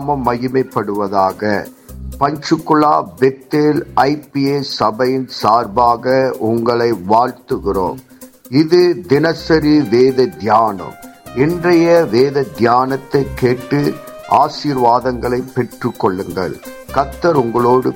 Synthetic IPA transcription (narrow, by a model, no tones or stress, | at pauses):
mɐmːɐɣɪmɐɪpːɐɽɯʋɐðaːɣɐ̰ | pɐɲd͡ʒɯkːɯɭa̰ːbɛt̪ːelʔɐɪpieːsɐbɐjɪnsaːɾbaːɣɐʊŋɡɐɭɐɪʋaːɻt̪ɯɣɪro̰ːm | ɪðɯd̪ɪnɐsɐɾiʋeːðɐd̪jaːnɐ̰mɛndrɐjɐʋeːðɐd̪jaːnɐt̪ːɐɪkːeːʈːɯʔaːsiːɾʋaːðɐŋɡɐɭɐɪpːɛʈrɯkːɔɭːɯŋɡɐ̰ɭkɐt̪ːɐɾʊŋɡɐɭoːɽɯ